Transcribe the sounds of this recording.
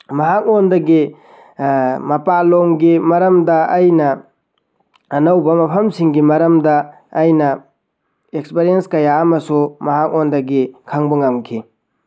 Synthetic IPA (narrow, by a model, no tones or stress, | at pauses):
mɐɦak̚ondɐɡi | mɐpaloŋɡimɐɾɐmdɐːjnɐ | ɐnɐwbɐmɐpʰɐmsiŋɡimɐɾɐmdɐː | jnɐ | ek̚speɾienskɐjamɐsumɐɦak̚ondɐɡikʰɐŋbɐŋɐmkʰi